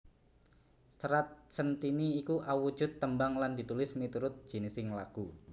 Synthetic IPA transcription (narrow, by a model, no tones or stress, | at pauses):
səɾat̪̚sənt̪iniːkuʔawu̥d͡ʒ̥ʊ̤t̪ːəmbaŋlandit̪ulɪsmit̪uɾʊt̪̚d̥ʒ̥i̤nisɪŋlaɡ̥u